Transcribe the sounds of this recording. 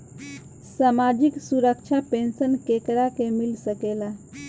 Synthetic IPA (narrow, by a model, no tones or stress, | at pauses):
samad͡ʒiksuɾəkt͡ʃʰapensənkekɾakemilsəkela